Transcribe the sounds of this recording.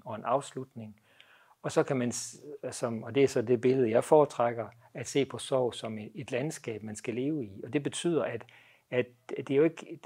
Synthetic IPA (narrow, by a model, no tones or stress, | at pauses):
ɒ̽e̝nɑ̈ʊslud̥ne̝ŋ | ɒ̽sɒ̽kʰæmænsɒ̽mɒ̽d̥e̝æsɒ̽d̥e̝b̥e̝ləð̞̩ˠjɑ̈ɪfɒːt͡sʰʁaɡ̥ɐ | æd̥se̝̰ːpʰɒ̽sɒʊ̰sɒ̽me̝d̥lænsɡ̥ɛ̰ːb̥mænsɡ̥æle̝ːʊiɒ̽d̥e̝b̥e̝t͡sʰy̰ð̰ˠɐæd̥ | æd̥ | d̥e̝joe̝ɡ̥